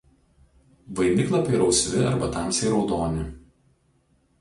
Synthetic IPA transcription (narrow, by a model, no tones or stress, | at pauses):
ʋɐɪnʲɪklˠɐpʲiɪɾɒʊsʲʋʲɪɐɾbɐt̪ɑˑmʲsʲɛɪɾɒʊd̪oːnʲɪ